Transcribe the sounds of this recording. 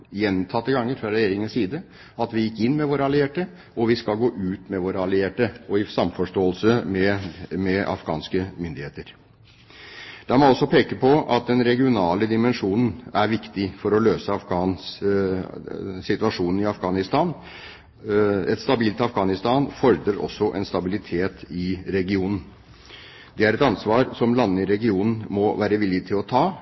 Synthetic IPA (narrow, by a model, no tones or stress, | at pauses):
jɛnt̪ʰɑt̪ːəɡɑŋːəɾfɾɑɾɛjeːɾɪŋənsiːd̪ə | ɑt̪ʋɪjɪkːɪnːmɛʋoːɾəɑlɪeːʈə | ɔʋɪskɑlɡoːʔʉːt̪mɛʋoːɾəɑlɪeːʈəɔɪsɑmfɔʂʈoːəlsəmɛmɛʔɑ̰fɡɑ̰ːnskəmʏnd̪ɪheːt̪əɾ | d̪̥ɑmɔɔsːɔpʰeːkəpʰɔʔɑt̪̚d̪ɛnɾɛɡɪʊnɑːləd̪ɪmɛnʂuːnn̩æɾʋɪkt̪ɪfɔɾɔløːsəɑfɡɑːn | sɪt̪ʋɑʂuːnn̩ɪɑfɡɑːnɪst̪ɑːn | ɛ̰t̪st̪ɑbiːlt̪ɑfɡɑːnɪst̪ɑːnfɔɾd̪ɾəɾɔ̰sːɔʔɛ̰nst̪ɑbɪlɪt̪ʰeːt̪ɪɾɛɡɪuːnn̩ | d̪ɛæɾɛt̪ɑnsʋɑːɾsɔmlɑnːəɪɾɛɡɪuːnn̩mɔʋæːɾəʋɪlːɪt̪ʰɪlɔt̪ʰɑː